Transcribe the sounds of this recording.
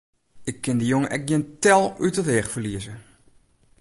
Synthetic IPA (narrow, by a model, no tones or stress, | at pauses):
ɪkːɪndəjoŋəʔɛk̚ɡjɪntɛlˠytədɛːxfərliəzə